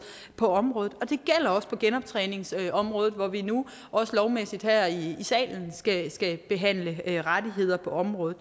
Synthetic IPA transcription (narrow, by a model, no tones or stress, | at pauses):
pʰɒ̽ɒ̽mʁɔ̽ːð̩ˠɒ̽d̥e̝ɡ̥el̰ɐɒ̽spʰɒ̽ɡ̥enɒ̽b̥̚t͡sʰʁɛːne̝ŋsɒ̽mʁɔ̽ːðð̩ˠʋɒʋinu | ʔɒ̽səlɒʊmesid̥hæɐ̰iːsɛ̰ːln̩sɡ̥æsɡ̥æb̥e̝ɦæn̰ləʁad̥iɦe̝ð̞̰ˠɐpʰɒ̽ɒ̽mʁɔ̽ːð̩ˠ